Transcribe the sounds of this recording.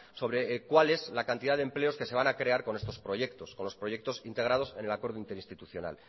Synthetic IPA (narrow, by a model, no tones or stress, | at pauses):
so̞β̞ɾe̞kwale̞zlakant̪iðaðe̞mple̞o̞ske̞se̞βanakɾe̞aɾko̞ne̞st̪o̞spɾo̞ʝe̞kt̪o̞sko̞nlo̞spɾo̞ʝe̞k̚t̪o̞sint̪e̞ɣ̞ɾaðo̞se̞ne̞lako̞ɾðoint̪e̞ɾinst̪it̪uθjo̞na̰l